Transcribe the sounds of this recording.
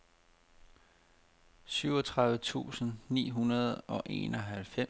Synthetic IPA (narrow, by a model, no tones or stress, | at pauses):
syʊɒ̽t͡sʰʁɑ̈ðˠʋət͡sʰṵːsn̩nḭːɦunɐð̞̩ˠɒ̽ʔe̝̰ːnɒ̽ɦælfe